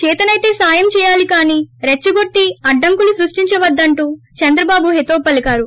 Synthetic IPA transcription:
t͡ʃɛːt̪ɐnɐjt̪e̞ːsaːjɐmt͡ʃɛːjaːlikaːniːɾet͡ʃːuɡo̞ʈːiɐɖːɐŋkulusɾuʂʈiɲt͡ʃɐʋɐd̪ːɐɳʈuːt͡ʃɐnd̪ɾɐbaːbuɦet̪oːpːɐlikaːɾu

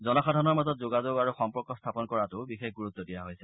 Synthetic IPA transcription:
zɔnɔxadʱanɔɹmazɔtzoɡazoɡaɹuxɔmpɔɹkɔstʰapɔnkɔɹatʊbixexɡuɹut̪ːɔdijaɦojsɛ

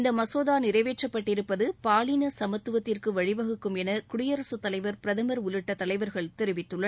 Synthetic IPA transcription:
ɪnd̪ɐmɐsoːðaːnɪɾɐɪʋeːʈrɐpːɐʈːɪɾɯpːɐðɯpaːlinɐsɐmɐt̪ːɯʋɐt̪ːɪrkɯʋɐɻɪʋɐɣɯkːɯmɛnɐkʊɽɪjɐɾɐsɯt̪ːɐlɐɪʋɐɾpɪɾɐðɐmɐɾʊlɯʈːɐt̪ːɐlɐɪʋɐɾɣɐɭt̪ɛɾɯʋɪt̪ːɯɭːɐ

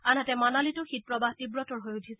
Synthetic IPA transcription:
anatɛmanalitʊxit̚pɹɔbahtibɹɔtɔɹɦojudʰʱis

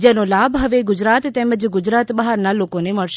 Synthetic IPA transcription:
d͡ʒenolabɦəʋeɡʊd͡ʒɾat̪ːeməd͡ʒɡʊd͡ʒɾat̪bəɦəɾnalokoneməɭʃ

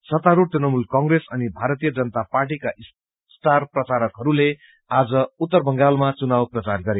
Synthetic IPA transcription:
sʌt̪aɾut̪enʌmulkʌŋɡresʌnibʱaɾʌt̪ijʌd͡zʌnʌt̪aparʈikaʔ | st̪ʰarprʌt͡saɾʌkɦʌɾule | ad͡zʌut̪ːʌrbʱʌŋɡalmat͡sunawprʌt͡sarɡʌɾe

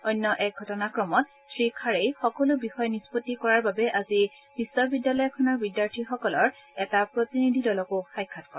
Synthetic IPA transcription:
ɔjnːɔʔɛk̚ɡʱɔtɔnakɹɔmɔt | sʰɹikʰaɹejxɔkɔlʊbixɔjnispotːikɔɹaɹbabɛʔazi | b̥isːɔbidjalɔjɔkʰɔnɔɹbidjaɹtʰixɔkɔlɔɹɛtapɹotinidʱidɔlɔkʊxajkʰːatkɔ̰ɹ

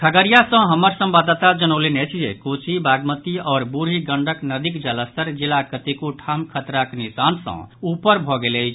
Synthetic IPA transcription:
kʰəɡəɾijasə̃ɦəməɾsə̃mbad̪ət̪ad͡ʒənəʊlenet͡ʃʰḛkot͡ʃʰibaɡmət̪iɔːɾbuɾɦiɡəɳɖʱəknəd̪ikd͡ʒələst̪əɾd͡ʒilakət̪ikuʈʰamkʰət̪ɾaknisansə̰̃upəɾbʱɔɡeləjt͡ʃʰ

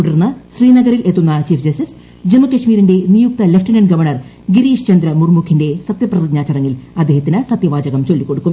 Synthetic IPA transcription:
uɽɐrnːɐɕriːnɐɡɐɾilet̪ːunːɐt͡ɕiːfʰd͡ʑɐstis | d͡ʑemːɐkɐʂmiːɾinde̞nijuk̚t̪ɐlefʈɐnɐɳɖɡɐʋɐrɳɐr | ɡiɾiːʂt͡ɕɐnd̪ɾɐmurmukʰːinde̞sɐt̪jɐprɐðiɡɲaːt͡ɕːɐrɐŋːilɐd̪ːehɐt̪ːinɨsɐt̪jɐʋaːd͡ʑɐɣɐmt͡ɕo̞lːikːo̞ɽukːum

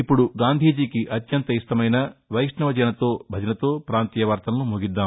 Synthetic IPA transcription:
ipːuɽuɡaːnd̪ʱiːd͡ʒiːkiʔɐt̪jɐnt̪ɐist̪ɐmɐjnɐʋɐjʂnɐʋɐd͡ʒɐnɐt̪o̞ːbʱɐd͡ʒɐnɐt̪o̞ːpɾaːnt̪iːjɐʋaːɾt̪ɐnɐnumuɡid̪ːaː

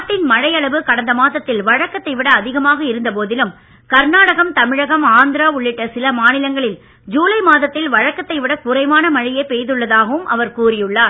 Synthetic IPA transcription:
ʈːɪnmɐɻɐjɐɭɐʋɯkɐɽɐnd̪ɐmaːðɐt̪ːɪlʋɐɻɐkːɐt̪ːɐɪʋɪɽɐːðɪɣɐmaːɣɐɪɾɯnd̪ɐp̬oːðɪlɯm | kɐɾnaːɽɐɣɐmt̪ɐmɪɻɐɣɐmaːnd̪ɪɾaːʊɭːɪʈːɐsɪlɐmaːnɪlɐŋɡɐɭɪl | d͡ʒuːlɐɪmaːðɐt̪ːɪlʋɐɻɐkːɐt̪ːɐɪʋɪɽɐkʊɾɐɪmaːnɐmɐɻɪjeɪpejðɯɭːɐðaːɣɐʋɯmʔɐ̰ʋɐɾkuːrɪjɯɭːaː

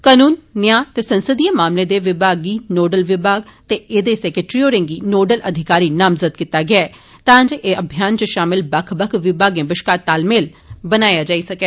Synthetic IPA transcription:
kənuːnːɪjaːt̪eːsənsəd̪iːamaːmleːd̪eːʋɪbʱaːɡiːnoːɖəlʋɪbʱaːɡt̪eːʔeːd̪eːsɛːkeʈɾiːoːɾẽːŋɡiːnoːɖəlʔəd̪ʱɪkaːɾiːnaːmzəd̪̚kɪt̪aːɡɪaː | t̪ãːɲd͡ʒeːəbʱjaːnt͡ʃəʃaːmɪlbəkʰbəkʰʋɪbaːɡẽːbɪʃkaːt̪ːaːlmeːl | bənaːjaːd͡ʒaːisəkɛː

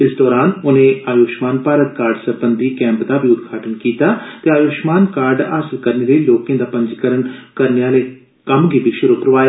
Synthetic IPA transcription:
ɪsd̪ɔːɾaːnʊnẽːaːjoːʃmaːnpaːɾət̪̚kaːɾɖsəbənd̪iːkɛ̃ːmpd̪aːbʱiːʊd̪ɡʱaːʈənkiːt̪aːt̪eːaːjoːʃmaːnkaːɾɖa̰ːsəlkəɾneːləiːloːkjãːd̪aːpə̃ɲd͡ʒkəɾənkəɾneaːleː | kəmɡiːbiːʃʊɾuːkɾəʋaːjaː

